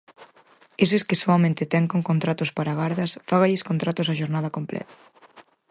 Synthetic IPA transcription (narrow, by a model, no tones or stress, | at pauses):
es̬eskɪsoamẽnt̪ɪt̪ɛŋkoŋkont̪ɾat̪ʊspaɾaɣaɾðɐsfaɣaʎɪskont̪ɾat̪ʊsaʃoɾnað̞ɐkomplɛ̰t̪ḁ